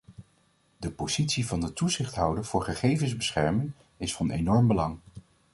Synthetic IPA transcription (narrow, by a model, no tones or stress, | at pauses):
dəpoz̥itsivɑndətuzɪχtɦʌwdəɹv̥ʊːɹχəχejvənzbəsχɛɹmɪŋ | ɪsfɑnḛnɔɹmbəlɑŋ